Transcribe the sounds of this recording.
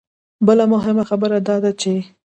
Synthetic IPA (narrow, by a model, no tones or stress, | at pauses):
bəlamʊɦɪmaxabəɾad̪ɑd̪at͡ʃe